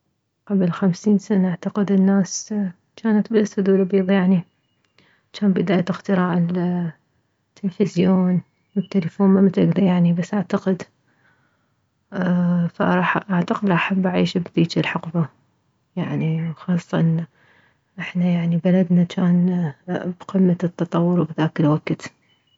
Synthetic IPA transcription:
qablxamsiːnsanaʔaʕt̪aqɪd̪ɪnːaːs | t͡ʃaːnat̪basʊd̪uːlabiːðˤjaʕni | t͡ʃaːnbɪd̪aːjaɪxt̪ɪɾaːʕɪl | t̪ːɪlfɪzjoːn | wɪt̪ːaləfoːnmamat̪ʔaɡd̪ajaʕnibasːʔaʕt̪aqɪd̪ | fa̰ʔɾˤɑħʔaʕt̪aqɪd̪lʔaħabːʔaʕiːʃbd̪iːt͡ʃɪlħɑqba | jaʕniwxɑːsˤːɑʔɪn | ʔɪħnajaʕnibalad̪nat͡ʃaːn | bqɪmːat̪ːɑt̪ˤɑwːʊɾwbðaːkɪlwaɡt̪

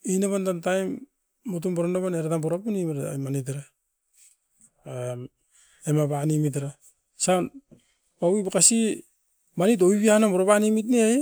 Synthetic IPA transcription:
inaβantantajmː | ot̬umbaɾanaβaneɾatamboɾapunimaɾmanit̬aɾa | am | emaβanimit̬aɾa | san | pawibakasi | manit̬oiβianamoɾaβanimitneaj

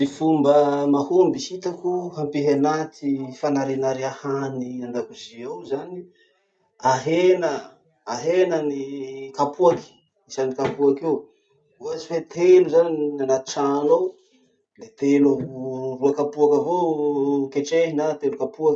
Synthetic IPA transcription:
mifumbəmahumbisit̪akuɦampiɦanat̪ifanaɾenaɾiahanianɖ͡ʐakuziowzani | aɦenəː | ɦenənikapuaki̥ | isanikapuakew | vuazi̥fet̪ʰeluzaninanat̪u̥ʈ͡ʂanow | let̪elaɦuruakapuakəvo | keʈ͡ʂeɦinat̪elukapuak

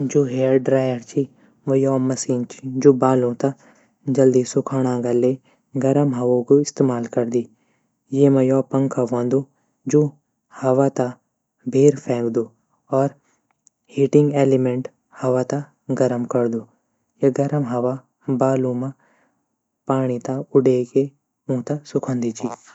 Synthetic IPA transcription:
d͡ʒoːɦeːəɾɖɾaːjəɾt͡ʃʰi | ʋɐjɔːmɐsiːnt͡ʃʰid͡ʒoːbaːlõt̪a | d͡ʒɐld̪isʊkʰaːɽ̃ãːɡɐle | ɡɐɾəmɦɐʋõkoɪst̪eːmaːlkɐɾd̪iː | jemɐjɔːpɐ̃ŋkʰaʋõːnd̪uː | d͡ʒoː | hɐʋat̪a | bʱeːɾpʰɛ̃ːŋkd̪uː | ɔːɾ | hiːʈɪ̃ŋɡeːlɪmẽɳʈ | hɐʋat̪a | ɡɐɾəmkɐɾd̪uː | jeɡɐɾəmɦɐʋa | baːlũma | paːɽ̃it̪aʊɖeke | ũːt̪asʊkʰə̃nd̪it͡ʃiː

